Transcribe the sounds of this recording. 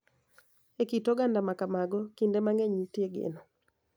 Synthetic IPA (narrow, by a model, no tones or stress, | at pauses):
ekitoɡandamakamaɡɔkindemaŋeɲitjeɡḛnɔ